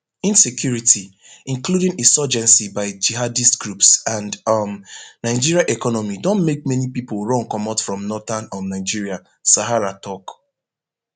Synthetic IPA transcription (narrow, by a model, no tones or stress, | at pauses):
ĩnsekʰjuɹitʰi | ĩnkluɾĩŋesɔd͡ʒɛ̃nsibaɪd͡ʒiɦadistɡ̥ɹupsãndmnaɪd͡ʒiɹiaʔɛkɔnɔmidõnmek̚mɛnipipolˠɹɔ̃ŋkɔmatfɹɔ̃mnɔtanɔ̃nnaɪd͡ʒiɹia | saɦaɹatɔk